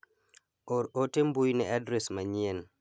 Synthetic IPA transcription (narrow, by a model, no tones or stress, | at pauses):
ɔɔtembujnɛadɾɛsmaɲien